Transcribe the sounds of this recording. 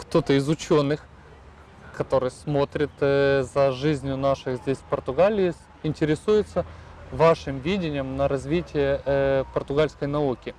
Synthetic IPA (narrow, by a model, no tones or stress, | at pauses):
kt̪o̞t̪əɪzʊt͡ɕo̞nːɨx | kɐt̪o̞ɾɨjsmo̞t̪ɾʲɪt̪zɐʐɨzʲnʲjʊnaʂɨxzʲdʲesʲfpərt̪ʊɡalʲɪjɪ | ɪnʲtʲɪɾʲɪsujɪt̪səvaʂɨmvʲidʲɪnʲɪjəmnəɾɐzʲvʲitʲɪjəpərt̪ʊɡalʲskəjnɐukʲɪ